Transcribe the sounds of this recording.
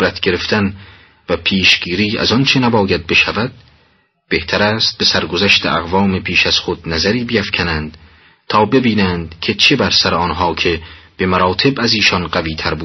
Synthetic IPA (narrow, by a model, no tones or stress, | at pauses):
ɾæt̪ʰɡe̞ɾe̞ft̪æn | væpʰiːʃɡ̥iːɾiːæ̰zɒnt͡ʃʰe̞næbɒːjæd̪̚be̞ʃævæd̪̥̚ | b̥e̞ht̪ʰæɾæːst̪̚be̞sæɾɡo̞zæʃt̪ʰḛʔæɣvɒːme̞pʰiːʃæz̥χod̪̥̚næzæɾiːbeæfkʰænænd̪̥ | t̪ʰɒːbe̞biːnænd̪̥cʰe̞t͡ʃʰe̞bæɾsæɾeɒːnɦɒːkʰe̞b̥e̞mæɾɒːt̪ʰe̞bæziːʃɒnɢæviːt̪ʰæɾbuː